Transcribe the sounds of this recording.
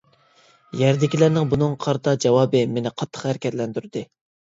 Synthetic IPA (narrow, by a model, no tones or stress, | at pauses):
jæɾd̪ɪkʲilæɾnɪŋbunɨŋqʰɑɾt̪ʰɑd͡ʒɑwɑːbɨmenɪqʰɑt̪ʰːə̥χhæɾɪkʲʰɛt̪lɛnd̪yɾd̪ɨ